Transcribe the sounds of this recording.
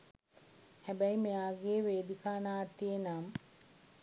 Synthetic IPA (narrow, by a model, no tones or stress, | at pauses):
hæbæjmejaːɡeːʋeːd̪ikʰaːnaːt̪ːienam